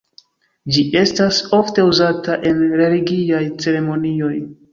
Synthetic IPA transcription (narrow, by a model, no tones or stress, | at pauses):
d͡ʒiʔe̞staso̞fte̞uzataʔe̞nɾe̞liɡiajt͡se̞ɾe̞mo̞nio̞j